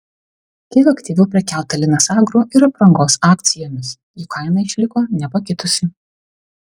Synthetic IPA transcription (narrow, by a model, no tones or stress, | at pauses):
kʲɛɪkɐkʲt̪ʲiːʋʲɛʊpʲɾʲɛkʲæˑlˠt̪ɐlʲɪnɐsɑːɡɾuʔɪɾɐpɾɐŋɡoːsɑːk̚t̪sʲɪjoːmʲɪs | jukʰɐɪnɐɪʃʲlʲɪkoːnʲɛpɐkʲɪt̪ʊsʲɪ